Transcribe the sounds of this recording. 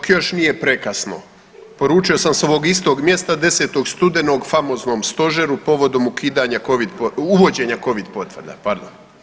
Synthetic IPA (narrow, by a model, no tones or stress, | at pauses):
kjo̞ʃnije̞pɾekasno̞̰ | po̞ɾuːt͡ʃio̞samseo̞ʋo̞ɡist̪o̞ːɡmje̞st̪ad̪e̞se̞ːt̪o̞ɡst̪ud̪eno̞ɡfamo̞ːzno̞mst̪o̞ʒeɾupo̞ʋo̞d̪o̞mukiːd̪aɲakoʋid̪pouʋo̞d͡ʑe̞ːɲako̞ʋid̪po̞t̪ʋərd̪a̰paɾd̪o̰m